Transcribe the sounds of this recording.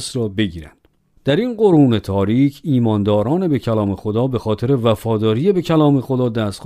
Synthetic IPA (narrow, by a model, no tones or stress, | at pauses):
sɾɒːbe̞ɟiːɾæ̰nd̪̥ | d̪̥æɾinɢo̞ɾuːne̞t̪ʰɒːɾiːcʰiːmɒːnd̪ɒːɾɒːne̞be̞cʰælɒːmexo̞d̪ɒːbe̞xɒːt̪ʰe̞ɾe̞væfɒːd̪ɒːɾije̞be̞cʰælɒːme̞xo̞d̪ɒːd̪æst̪x